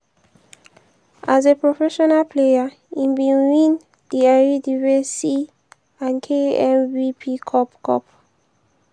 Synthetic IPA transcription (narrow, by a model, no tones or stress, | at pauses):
ʔazepɹɔfɛʃɔnalpʰlea | ĩnbiwĩn | diaɹidivɛsi | ãnkʰeɛ̃mvipʰikʰɔpkʰɔ̰p